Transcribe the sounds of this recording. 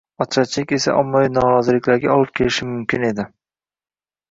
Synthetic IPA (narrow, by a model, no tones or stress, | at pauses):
ɒt͡ʃʰat͡ʃʰɪkʲe̞sa̰ʔɒ̰mːavinɒɾɒzɪlɪkʲlaɾɡʲaɒlˠɪp̚kʲʰe̞lɪʃɪmʊmkʲʰɪne̞d̪ɪ